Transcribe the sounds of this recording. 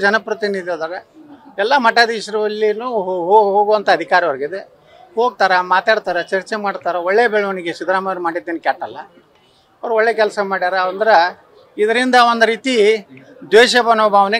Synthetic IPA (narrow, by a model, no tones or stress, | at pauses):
d͡ʒɐnɐpɾɐt̪inid̪ijoːd̪ɐɾeɛlːɐmɐʈad̪iːʃɐɾɐʋɐlːinuːɦoːɦoːɡuʋɐnt̪ʰɐːd̪ʱikaːɾiʋɐɾɐɡid̪e | ho̞ːɡ̚t̪aːɾɐmaːt̪aːɽt̪aːɾɐt͡ʃɐɾt͡ʃemaːɖt̪aːɾɐoɭːebɛɭɐʋɐniɡesid̪ɾaːmɐjɐɾmaːɽid̪ːeːnkaːʈːɐlːɐ | ɐʋɐɾuɔɭːeːkɛlsɐmaːɽid̪aːɾɐɐnd̪ɐɾe | id̪ɐɾind̪ɐond̪ɐɾiːt̪i | d̪ʋeːʃɐbɐnoːbʱaːʋɐne